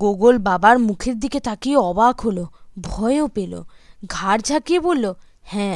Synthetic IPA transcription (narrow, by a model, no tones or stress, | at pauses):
ɡoɡolbabaɾmukʰeɾd̪iket̪akiɔbaɡɦolobʱɔeopelo̰ɡʱaɾd͡ʑʱakiebolːo | hɛ̃